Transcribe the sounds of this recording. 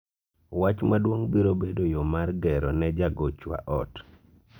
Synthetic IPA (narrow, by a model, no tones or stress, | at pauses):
wat͡ʃmadwoŋbiɾobedojomarɡɛɾɔnɛd͡ʒaɡot͡ʃwa̰ʔɔt